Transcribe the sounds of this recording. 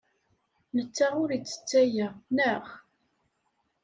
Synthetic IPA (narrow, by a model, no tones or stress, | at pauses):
nət͡sːaʁʊɾit͡sːə̥t͡sːæjænəχ